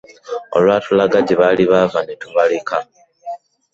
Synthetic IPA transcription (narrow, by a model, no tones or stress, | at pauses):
o̞̰lwaːtulaɡaɟeβaliβavanetuβaleka